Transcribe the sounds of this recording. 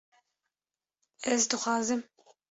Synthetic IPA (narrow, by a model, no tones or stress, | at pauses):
ɛzd̪ɨxʷɑːzɨm